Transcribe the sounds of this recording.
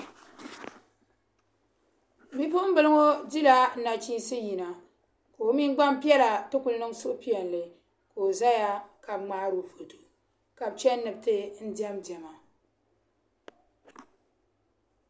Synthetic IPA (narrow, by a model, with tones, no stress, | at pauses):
bi˦po˦ʔm̩˦bɨ˨lɨ˦ŋo˦di˦la˦n̩˦na˨t͡ʃiː˦nsɨ˦ji˨na˨ | ko˨o˦mi˦n˦ɡ͡ba˦m˦pi˦ɛ˦la˨tɨ˦ku˨lnɨ˦ŋsʊ˦ʔpi˦ɛ˨n˨lɨ˨ | ko˨o˨za˦ja˦ka˨b̚ŋ͡maː˦ɾu˨fo˨tu˨ | ka˨b̚t͡ʃɛ˦nnːɨ˨b̚tɨ˦n̩˦di˦ɛ˦mdɛ˨ma˨